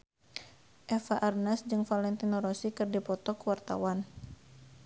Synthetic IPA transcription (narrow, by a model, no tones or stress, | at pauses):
ʔɛfaʔarnasd͡ʒɨŋfalɛnt̪inɔɾɔsikɨrdipɔt̪ɔkəwart̪a̰wan